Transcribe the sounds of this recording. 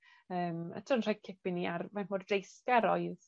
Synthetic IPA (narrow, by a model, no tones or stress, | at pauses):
əːmə̰tʰənr̥aj̚kʰɪpɪniarvɛmmɔddejskaɾɔɨð